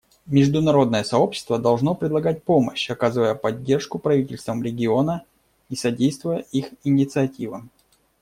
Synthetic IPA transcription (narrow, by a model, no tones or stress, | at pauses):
mʲɪʐd̪ʊnɐɾo̞d̪nəjəsɐo̞pɕːɪ̥st̪vəd̪ɐlˠʐno̞pɾʲɪd̪lˠɐɡat̚ʲpo̞məɕɐkazɨvəjəpɐdʲːe̞rʂkʊpɾɐvʲitʲɪlʲst̪vəmɾʲɪɡʲɪo̞nə | isɐdʲejst̪vʊjəʔixɪnʲɪt̪sɨɐtʲivə